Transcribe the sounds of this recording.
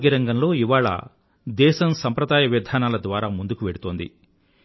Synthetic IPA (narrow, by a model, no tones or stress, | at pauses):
ɡiɾɐŋɡɐnlo̞ːiʋaːɭɐ̰ | d̪ɛːʃɐmsɐmpɾɐd̪aːjɐʋɐd̪ʱaːnaːlɐd̪ʋaːɾaːmund̪ukuʋeɽut̪o̞ːnd̪ḭ